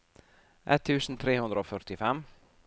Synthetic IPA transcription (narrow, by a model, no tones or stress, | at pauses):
ʔɛ̰t̪ʰːʉːsn̩t̪ʰɾeːhʉnd̪ɾəoːfœɾʈ̪ɪfɛm